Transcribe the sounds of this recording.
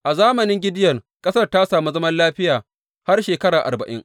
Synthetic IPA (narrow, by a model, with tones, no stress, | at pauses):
ʔa˨zaː˦mɐ˨nɪ˦ŋɡʲɪ˦dɪ˦jɐ˨r | kʼɐ˦sɐ˦rta˦saː˨mu˦zɐ˦mɐ˦nlaː˦ɸɪ˦jaː˨ | ha˦rʃeː˨kɐ˦ɽaː˨ʔa̰˨rbɐ˨ʔɪ̰˦ŋ